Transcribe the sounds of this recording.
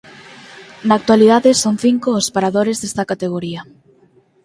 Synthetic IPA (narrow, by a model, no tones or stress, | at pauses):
naːk̚t̪waliðaðɪsoŋθiŋkoːspaɾaðoɾezðest̪ɐkat̪eɣoɾiɐ